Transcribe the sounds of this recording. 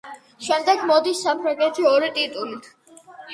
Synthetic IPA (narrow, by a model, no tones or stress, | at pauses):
ʃɛmd̪ɛɡmɔd̪isːapʰɾaŋɡɛt̪ʰiɔɾit̪ʼit̪ʼulit̪ʰ